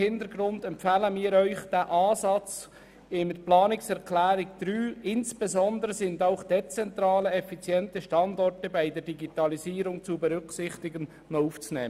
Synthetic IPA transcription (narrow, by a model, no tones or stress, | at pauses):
hɪntəɾɡɾʊndɛmpfæːləmiːɾœʏχd̥æːʔɑːzɑt͡s | ɪnəplɑːnɪksɛɾkʰlæːɾɪkd̪̥ɾyːɪnsb̥ezɔnd̪əɾəsɪndaʊχd̥ɛt͡sɛnt̪ɾɑːləɛfit͡sjɛntəʃtɑndɔrtəbæɪdəɾdiɡit̪ɑliziːɾʊŋt͡subɛɾʏksɪχt̪ɪɡən | nɔuːft͡snɛ̰ː